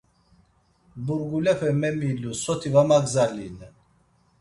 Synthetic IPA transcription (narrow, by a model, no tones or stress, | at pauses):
buɾɡulɛɸɛmɛmilusɔt̪ʰivamaɡzalḭnɛ